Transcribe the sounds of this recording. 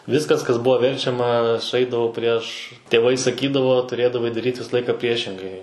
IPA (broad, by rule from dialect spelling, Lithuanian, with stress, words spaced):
ˈʋʲɪskɐs kɐs ˈbʊʋoː ˈʋʲɛrʲt͡ʃʲɛmɐ sʊˈɛɪdɐʋoː pʲrʲiɛʃ tʲeːˈʋɐɪ sɐˈkʲiːdɐʋoː tʊˈrʲeːdɐʋɐɪ dɐˈrʲiːtʲ ˈʋʲɪsɐ ˈlˠɐɪkɐ ˈpʲrʲiɛʃʲɪŋɡɐɪ